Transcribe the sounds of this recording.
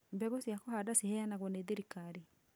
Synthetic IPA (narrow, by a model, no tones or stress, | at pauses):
mbɛɣosiakohadasihɛjanaɣwɔneðiɾikaɾi